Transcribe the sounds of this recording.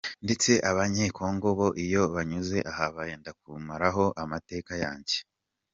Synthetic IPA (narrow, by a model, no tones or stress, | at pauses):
nde̞t͡se̞ʔaβaɲeko̞ŋɡoβo̞ʔijo̞βaɲuze̞ʔahaβaje̞ːndak̚umaɾaɦo̞ʔamate̞ːkaja̰ːɲɟe